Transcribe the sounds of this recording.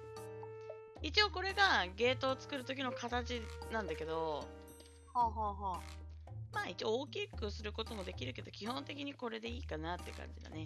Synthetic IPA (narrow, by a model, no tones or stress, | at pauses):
it͡ɕio̞ko̞ɾe̞ɡaɡe̞ːt̪o̞ːt͡sɨ̥kɯ̟ɾɯ̟t̪o̞kʲino̞kat̪at͡ɕinãnd̪ake̞d̪o̞ | haːɦaːɦaː | maːit͡ɕioːkʲikːɯ̟sɨɾɯ̟ko̞t̪o̞mo̞d̪e̞kʲiɾɯ̟ke̞d̪o̞kʲihõ̞nt̪e̞kʲiɲ̟iko̞ɾe̞d̪e̞iːkanat̪ːe̞kã̰ɲ̟d͡ʑid̪a̰ne